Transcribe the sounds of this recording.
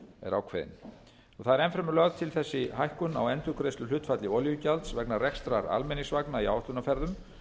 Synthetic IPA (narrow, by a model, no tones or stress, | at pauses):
ɛ̰ɾawkʰvɛ̰ðɪ̰n | ɔɣθaðɛɾɛnfɾɛmʏlœɣðt̪ʰɪlθɛsːɪɦajhkʏna̰wɛnt̪ʏkʰɾest̪ʏlʏht̪fat̪lɪɔljʏcalt̪svɛknarɛkst̪ɾaɾa̰lmɛniŋsvaknaiawht̪ʏnafɛɾðʏm